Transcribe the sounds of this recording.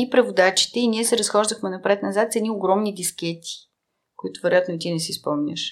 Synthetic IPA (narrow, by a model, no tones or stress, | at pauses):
ipɾɛvʊd̪at͡ʃi̥t̪ɛiniɛsɛɾɐsxɔʒd̪əxmɛnɐpɾɛt̪nɐzat̪sɛniʊɡɾɔmnid̪ʲiskʲɛt̪ʰi̥ | kʊit̪ʊvɛɾʊjat̪nit̪inɛsispɔmnʲə̰ʃ